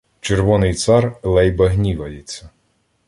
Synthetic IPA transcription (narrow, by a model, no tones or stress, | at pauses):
t͡ʃerʋɔnɪjt̪sɑrlˠɛjbɐɦnʲiʋɐjit͡sʲːɐ